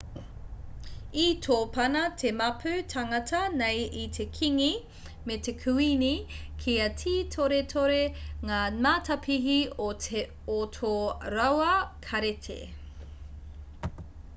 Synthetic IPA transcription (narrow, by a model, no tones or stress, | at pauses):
itʰoːpɐnɐtʰemɐpʰʉtʰɐŋɐtʰɐnejitʰe̞kʰiŋi | metekʰʉinikʰiɐtʰiːtʰoɾetʰoɾeŋaːmatʰɐpʰiɦioe | otʰoɾɐwɐkʰɐɾetʰḛ